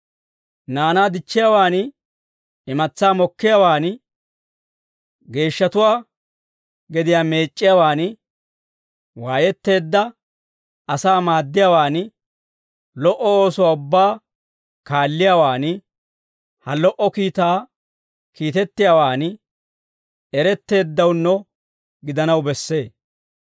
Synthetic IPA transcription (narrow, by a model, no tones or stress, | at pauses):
naːnaːd̪ɪt͡ʃːɪjaːwaːn | ɪmɐt͡sːaːmɔkːɪjawaːn | ɡe̞ːʃːɐt̪ʊwaː | ɡɛd̪ɪjaːme̞ːt͡ʃʼːɪjawaːn | waːjɛt̪ːe̞ːd̪ːɐ | ɐsaːmaːd̪ːɪjawaːn | lɔʔɔoːsʊwaːʊbːaː | kaːlːɪjawaːn | hɐlɔʔɔkiːt̪aː | kiːt̪ɛt̪ːɪjaːwaːn | ɛɾɛt̪ːe̞ːd̪ːɐwnːɔ | ɡɪd̪ɐnɐwbɛsːe̞ː